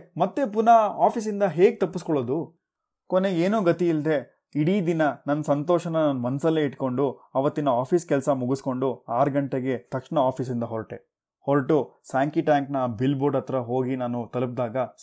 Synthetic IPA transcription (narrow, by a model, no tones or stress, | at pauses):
mɐt̪ːe̞punaaːpis̬ind̪ɐɦe̞ːɡ̚t̪ɐpːuskɔɭoːd̪u | kone̞eːnuːɡɐt̪iild̪e̞ | iɽiːd̪inɐnɐnːɐsɐnt̪oːʃɐnɐnɐnɐmɐnsɐlːeːiʈko̞ɳɖuɐʋɐt̪ːinɐaːpʰiːskɛlsɐmuɡusko̞ɳɖuaːɾɐɡɐɳʈe̞ɡe̞t̪ɐkʂɳɐaːpʰiːs̬ind̪ɐɦɔɾʈe | hoɾʈusaːŋkiʈaːŋknɐbilboɾɖɐt̪ɾɐɦo̞ːɡinaːnut̪ɐlup̬̚d̪aːɡɐ